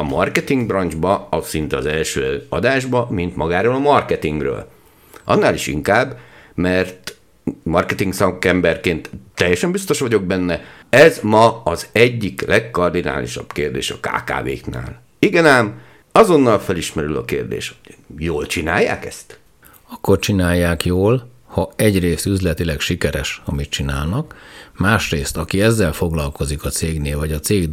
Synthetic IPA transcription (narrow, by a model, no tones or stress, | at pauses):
ɒmɒrkɛt̪iŋɡ̚brɒnd͡ʒbɒsint̪ɛɒzɛlʃøːɒd̪aːʒbɒmint̪mɒɡaːɾoːlɒmɒrkɛt̪iŋɡrø̰ːl | ɒ̰nːaːliʃḭŋkaːbː | mɛrt̪ | mɒrkɛt̪iŋɡsɒkɛmbɛrkeːnt̪ːɛjːɛʃɛmbist̪o̞ʃʋɒɟo̞ɡ̚bɛnːɛɛzmɒɒzɛɟːiklʔɛkːɒrd̪ina̰ːlḭʃɒ̰b̥keːrd̪ḛːʃɒ̰ka̰ːka̰ːvḛːkna̰ːl | iɡɛnaːm | ɒzo̞nːɒlfɛliʃmɛɾylɒ̰keːrd̪ḛːʃhoɟ̥joːlt͡ʃina̰ːjːa̰ːkɛ̰st̪ | ɒkːort͡ʃinaːjːaːkjoːl | hɒɛɟreːst̪yzlɛt̪ilɛkʃikɛɾɛʃɒmit̪̚t͡ʃinaːlnɒkmaːʃreːst̪ɒkiɛzːɛlfo̞ɡlɒlko̞zikɒt̪seːɡneːlvɒɟɒt̪seːɡ